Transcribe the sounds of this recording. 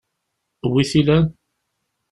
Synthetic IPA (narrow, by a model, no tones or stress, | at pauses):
wiθilæn